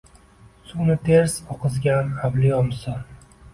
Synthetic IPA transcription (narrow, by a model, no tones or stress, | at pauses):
sunɪt̪ʰe̞ɾz̥ɒqʰɨzɡʲanablɪjɒmsɒn